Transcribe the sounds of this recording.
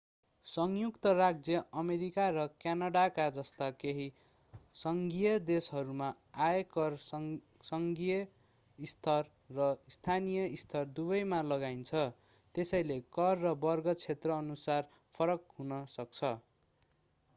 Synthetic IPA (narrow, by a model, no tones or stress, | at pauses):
sʌŋjukt̪ʌraɡ̚d͡zjʌʔʌmeɾikaɾʌkjanaɽakad͡zʌst̪akeɦi | sʌŋɡijʌd̪esɦʌɾuma | aekʌr | sʌŋɡijʌ | ist̪ʰʌrː | ʌist̪ʰanijʌist̪ʰʌrd̪ubʌjmalʌɡaint͡sʰʌ | t̪esʌjlekʌrːʌbʌrɡʌt͡sʰet̪rʌːnusar | pʰʌɾʌkɦunʌsʌk̚t͡sʰʌ